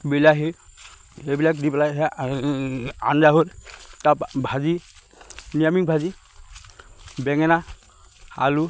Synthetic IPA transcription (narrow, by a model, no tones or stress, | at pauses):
bilaɦe | ebilakdiplaɦɛ | a̰ndaɦoɾtapbʱazi | nijamiŋbʱazi | bɛŋɛna | a̰lu